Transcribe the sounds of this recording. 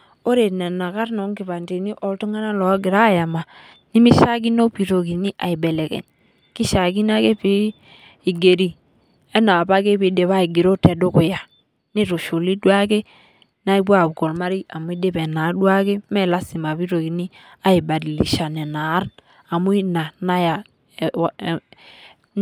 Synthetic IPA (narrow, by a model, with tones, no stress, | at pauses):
o˦ɾe˨ne˨na˨ka˦ɾno˨˦ŋɡi˨βa˨nte˨ni˦ʔo˦ltu˦ŋa˦na˦lo˨˦ɡi˨ɾa˦˨ja˨ma˨ | ni˦mi˦ʃa˦ɡi˦no˦pi˨ɾo˨ɡi˨ni˦ʔa̰˨i˨be˨le˨kḛ˨n | ki˦ʃa˨ɡi˦na˦ke˦pi˦ | i˨ɡe˨ɾi˦ | e˦na˨ba˦ke˦pi˨˦de˨βa˦i˨ɡi˨ɾo˦te˨do˦ku˨ja˨ | ni˦ɾu˨ʃu˨li˦dwa˦ke˦ | na˦i˦bu˦a˦˨bɡɔ˨lma˦ɾi˦a˨mu˦i˦de˦bɛ˨na˨˦du˦a˦ɡe˦mɛ˦˨la˦si˨ma˨βi˦ɾo˨ɡi˨ni˦ | a˦i˨ba˨di˨lḭ˨ʃa˨nɛ˨na˨˦ɾ | a˨mu˦i˦na˨na˦ja˨